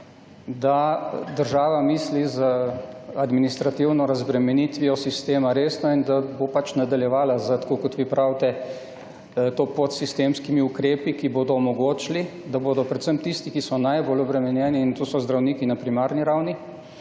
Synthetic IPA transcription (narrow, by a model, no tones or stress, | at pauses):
d̪ad̪əɾʒaːʋamiːslizəad̪minist̪ɾat̪iwnɔɾazbɾɛmɛnit̪ʋijɔsist̪eːmaɾeːsnɔind̪abopat͡ʃnad̪aljɛʋaːlazət̪ḁkoːkɔt̪ʋiːpɾʔawt̪ɛ | t̪opot̪sist̪emskimiukɾeːpikiboːd̪ɔːmɔɡoːt͡ʃlid̪aboːd̪ɔpɾɛt̪səmt̪ist̪ikisɔnajboːlɔbɾɛmɛnjɛːniːnt̪oːsɔzd̪ɾawniːkinapɾimaːɾniɾawni